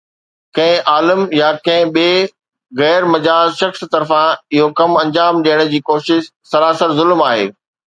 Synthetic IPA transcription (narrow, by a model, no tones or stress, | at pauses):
kɐ̃ɦɪ̃ʔaːlɪmjakɐ̃ɦɪ̃ɓeː | ɣɛːɾmɐd͡ʑaːzʃɐxst̪ɐɾfãɪɦokɐmɐ̃ɲd͡ʑaːmɗijəɽ̃ə̆d͡ʑiːkoːʃɪʃsɐɾaːsəɾzʊlmaːɦḛː